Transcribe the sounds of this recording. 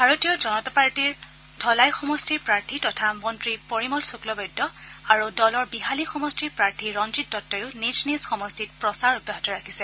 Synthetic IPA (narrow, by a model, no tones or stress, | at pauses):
bʱaɹotijɔd͡ʒɔnɔtapaɹtiɹ | dʱɔlajxɔmɔstiɹpɹaɹtʰitɔtʰamɔntɹipoɹimɔlsuklɔbɔjdːɔ | aɹudɔlɔɹbiɦalixɔmɔstiɹpɹaɹtʰiɹɔnd͡ʒitːɔtːɔjʊniznisxɔmɔstit̚pɹɔsaɹubaɦɔtɔɹakʰisɛ